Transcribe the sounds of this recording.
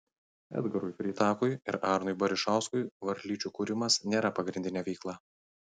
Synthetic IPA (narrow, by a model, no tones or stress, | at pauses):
ɛ̰ːd̪ɡɐɾuɪpʲɾʲiːt̪ɑːkʊjɪɾɑːɾnʊɪbɐɾʲɪʃɑˑʊskʊɪʋɐɾʲlʲiːt͡ʃʲuːkuːɾʲɪmɐsnʲeːɾɐpɐɡɾʲɪnʲd̪ʲɪnʲɛʋʲɛɪklˠɑː